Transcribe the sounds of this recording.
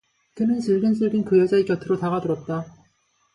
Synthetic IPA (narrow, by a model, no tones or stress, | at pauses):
kɯnɯnsɯɭɡɯns͈ʰɯɭɡɯnkɯjʌd͡ʑaikjʌtʰɯɾotaɣadɯɾʌt̚t͈a